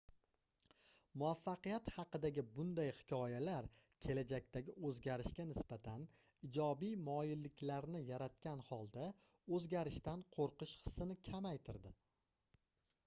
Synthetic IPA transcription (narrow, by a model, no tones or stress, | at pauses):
mʊafːɑqɨjat̪hɑqɨd̪aɡʲɪbʊnd̪ajhɪ̥kʲʰɒjalaɾkʲʰe̞lad͡ʒak̚ʲt̪ʰaɡʲɪɵzɡʲaɾɪʃkʲanɪsbat̪ʰan | ɪd͡ʒɒbijmɒjɪlːɪkʲʰlaɾnɪjaɾat̪̚kʲanhɒlˠd̪a | ɵzɡʲaɾɪʃt̪anqʰoɾqɨʃχɨ̥sːɪnɪkʲʰamajt̪ʰɪɾd̪ɪ